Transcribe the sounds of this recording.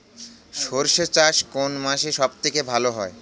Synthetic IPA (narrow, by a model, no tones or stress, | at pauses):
ʃoɾʃet͡ɕaʃkonmaʃeʃɔbt̪ʰekebʱaloɦɔe